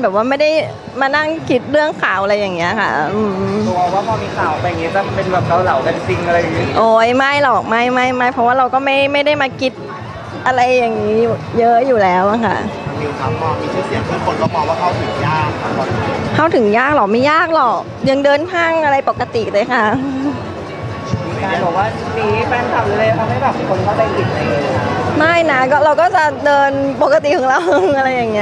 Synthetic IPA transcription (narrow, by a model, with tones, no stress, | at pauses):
nbɛː˨˩p̚waː˥˩ma˥˩jda˥˩j | maː˧na˥˩ŋkʰi˦˥t̪̚ɾɯ˥˩əŋkʰaː˨˩˦wʔa˧ɾa˧jːaː˨˩ŋːi˦˥ɐ˧kʰa̰˥˩ʔɯː˧ɔ˧˩bɔː˨˩k̚waː˥˩pʰɔː˧miː˧kʰaː˨˩˦wa˧˩ja˨˩ŋi˦˥t̪a˧˩pe˧nbɛː˨˩p̚ɾa˧˩wsa˨˦wka˧nsi˧ŋʔa˧ɾa˧jːa˨˩i˦˥ʔoː˧˩jma˥˩jlɔ˨˩k̚ma˥˩jma˥˩jma˥˩jpʰɾɔ˦˥waː˥˩ɾa˧wkɔː˥˩ma˥˩jma˥˩jda˥˩jmaː˧kʰi˦˥t̪̚ | ʔa˧ɾa˧jːa˨˩ŋːiː˦˥u˨˩jɤ˦˥ʔjuː˨˩lɛː˦˥wʔa˨˩kʰa̰˥˩˧niː˧k̪ʰa˦˧˥ɔː˥˩miː˧t̪ʰu˥˩si˧˩ŋt̪ʰuː˧˥˩kʰo˧nkɔː˥˩bɔː˨˩k̚waː˥˩kʰa˥˩wt̪ʰɯ˨˩˦ŋjaː˥˩k̚ʰa˧˩ɔ˨˩˧kʰa˥˩wt̪ʰɯ˨˩˦ŋjaː˥˩k̚lɔ˨˩k̚ma˥˩jaː˥˩k̚lɔ˨˩k̚ | ja˧ŋdɤː˧np̪ʰaː˥˩ŋʔa˧ɾa˧jpo˨˩kːa˧t̪i˨˩ʔlɤː˧˩jkʰa˦˥˩ | iː˧aː˧bɔː˨˩k̚waː˥˩˧siː˩˦fɛː˧nt̪a˨˩p̚lu˧˥leː˧mʰa˧nha˥˩jbɛː˨˩p̚kʰo˧nkaː˥˩pa˧ʔi˨˩la˧˩leː˧˩lːa˦˧˩ma˥˩jna˦˥kɔː˥˩ɾa˧wkɔː˥˩t͡ɕa˨˩dɤː˧npo˨˩kːa˧t̪i˨˩kʰɔ˨˦ŋɾa˧wʔa˧ɾa˧jːa˨˩ŋːi˦˥